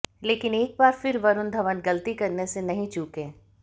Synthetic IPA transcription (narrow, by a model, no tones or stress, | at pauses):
leːkɪneːk̚baːɾfɪɾʋɐɾʊnd̪ʱɐʋənɡɐlt̪ikɐɾnesenɐɦĩt͡ʃuːkẽː